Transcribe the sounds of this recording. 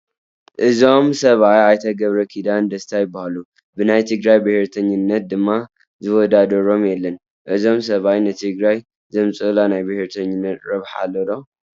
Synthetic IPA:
ʔɨzo̞msɐβajajt̪ʰɐɡɐβɾɐkʰid̪and̪ɐst̪ʰajɪbːahalu | bɨnajt̪ʰɨɡɾajbɨheɾt̪ʰɐɲːɨnːɐt̪̚d̪ɨmːa | zɨwɔd̪ad̪ɐɾo̞mjɛlːɐn | ʔɨzo̞ms̬ɐβajnɨt̪ʰɨɡɾaj | zɐmt͡sʼɨlanajbɨhɾt̪ʰɐɲːɨnːɐt̪ɾɐβħa̰lːod̪o

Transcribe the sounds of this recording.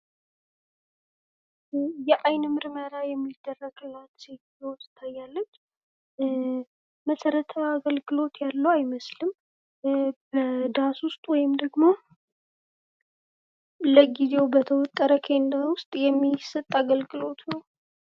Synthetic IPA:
jɛʔajnmɨɾməɾajɛmːid̪̥ːərːəɡlat̪seɡizewst̪ʰajːalːət͡ʃː | əsəɾət̪ʰəaɡəlɡɨlo̞t̪jalːəwajməslɨm | bəd̪aswʊst̪ʼwɔjɪmd̪əɡmo̞ | ləɡize̞wbət̪ʰəwɔt̪ʼːəɾəkʰe̞nd̪awʊst̪ʼjɛmːisət̪ʼːaɡəlɡɨlo̞t̪nəw

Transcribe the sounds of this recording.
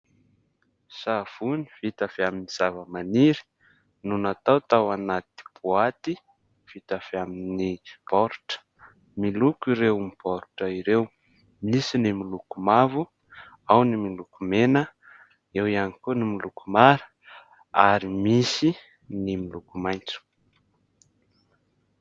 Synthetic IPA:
sav̥uni̥vit̪afeaminiz̥avəmaniɾi̥ | nunat̪awt̪awanat̪̚i̥b̥uat̪i | v̥it̪av̥eaminib̥ɔɾʈ͡ʂə̥ | milukiɾewmib̥ɔɾʈ͡ʂəiɾew | misinimilukumavu | awnimilukumenə | ewianikunimilukumaɾə | aɾimisi | nimilukumajnt͡su̥

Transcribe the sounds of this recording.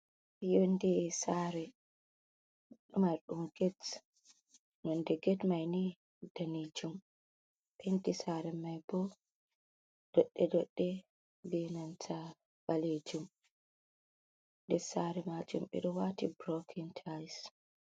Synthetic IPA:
jondɛsaɾɛ | ɗmaɾɗumɡɛt | nɔndɛɡɛtmajni | d̥anid͡ʒum | ɓendisaɾɛmajbɔ | d̥ɔɗːɛdɔɗːɛ | bɛnantʰa | baled͡ʒum | ndɛsaɾɛmad͡ʒumɓɛ̰ɗɔwatibɾɔkʰintʰajs

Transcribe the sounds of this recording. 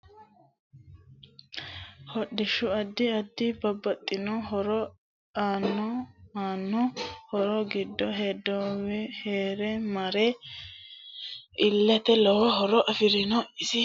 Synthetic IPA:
hɔɗːɪʃʊɐd̪ːɪɐd̪ːɪbɐbːɐt̪ʼːɪnɔɦɔɾɔ | aːnːɔaːnːɔhɔɾɔɡɪd̪ːɔɦeːd̪ːɔwɛheːɾɛmɐɾɛ | ɪlːɛt̪ɛlɔwɔɦɔɾɔʔɐfɪɾɪnɔɪsɪ

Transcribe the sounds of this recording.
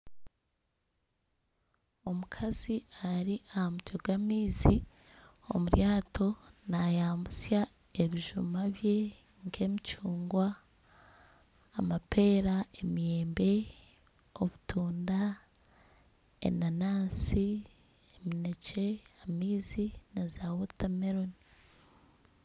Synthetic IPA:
o̞mukʰaziaɾiʔahamutoɡamiːzi | o̞̰muɾjaːtʰo̞najaːmbusja | e̞βiʒumaβje̞ | ŋkʰe̞ːmicuːŋɡwa | mape̞ːɾae̞mije̞ːmbe̞ | o̞βutʰuːnda | ḛnanaːsi | emine̞ce̞amiːzinazawotameɾo̞ni

